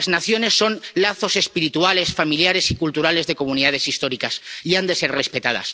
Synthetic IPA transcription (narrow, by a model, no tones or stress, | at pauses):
znaθjo̞ne̞sːo̞nlaθo̞se̞spiɾit̪uale̞sfamiljaɾe̞sikult̪uɾale̞zðe̞ko̞muniðað̞e̞sist̪o̞ɾikasiand̪e̞se̞ɾre̞spet̪að̞a̰s